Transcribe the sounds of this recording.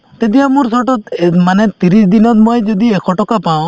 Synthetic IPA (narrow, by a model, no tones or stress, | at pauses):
t̪et̪ijamuɾsɔʈɔt̪manet̪iɾisd̪inɔt̪̚mojd͡ʒɔd̪iekʰɔʈɔkapaw̃